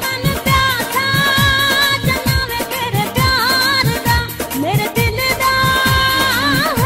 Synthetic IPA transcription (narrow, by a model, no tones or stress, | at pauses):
mɐnpjaːt̪ʰa | d͡ʒənaːʋemeɾepjaːɾd̪ameːɾed̪ɪld̪a